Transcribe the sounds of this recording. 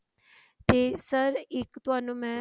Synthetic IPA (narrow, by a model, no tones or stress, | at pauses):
t̪esəɾekt̪uanũmɛ̃